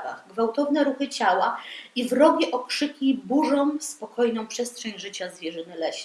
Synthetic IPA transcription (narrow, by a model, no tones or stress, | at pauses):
va̰ɣɡvawt̪ɔvn̪ɛɾuxɘt͡ɕawaivɾɔɡʲiʔɔkʂɘkʲibuʐɔ̃w̃spɔkʰɔjnɔ̃w̃pʂɛstʂɛɲʲʐɘt͡ɕazvʲjɛʐɘnɘlɛɕɲ